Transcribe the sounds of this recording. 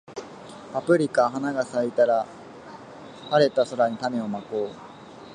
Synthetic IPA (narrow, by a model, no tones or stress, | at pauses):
apɯ̟ɾʲikaɦanaɡasait̪aɾa | haɾe̞t̪aso̞ɾaɲ̟it̪ame̞o̞makoː